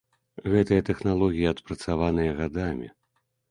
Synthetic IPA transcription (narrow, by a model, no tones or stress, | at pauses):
ɣɛt̪ɨjɐt̪ɛxnalˠɔɣʲijɐɐt̪pɾɐt̪savanɨjɐɣad̪amʲḭ